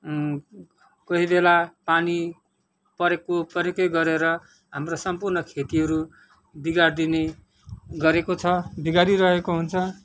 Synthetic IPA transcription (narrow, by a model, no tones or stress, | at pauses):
kʌɦibelapani | pʌɾekopʌɾekʌjɡʌɾeɾʌ | ɦamrosʌmpurnʌkʰet̪iɦʌɾu | biɡard̪ine | ɡʌɾekot͡sʰʌbiɡaɾiɾʌɦekoɦunt͡sʰʌ